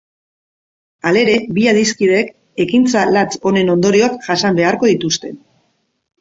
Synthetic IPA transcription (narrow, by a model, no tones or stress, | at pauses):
ale̞ɾe̞biaðiskiðe̞k | e̞kint͡salat͡so̞ne̞no̞nd̪o̞ɾio̞akʝasambe̞aɾko̞ðit̪ust̪e̞n